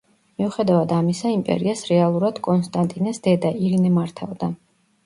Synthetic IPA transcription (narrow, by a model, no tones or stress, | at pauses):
miuχɛd̪avad̪amisaimpʼɛ̰ɾiasɾɛalˠuɾad̪̥kʼɔnst̪ʼant̪ʼinɛsd̪̥ɛd̪aiɾinɛmaɾt̪ʰa̰vd̪a